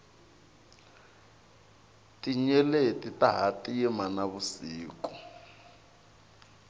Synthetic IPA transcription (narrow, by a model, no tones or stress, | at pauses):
tʼiɲɛletʼitaɦatʼiimanaβusiːkʼu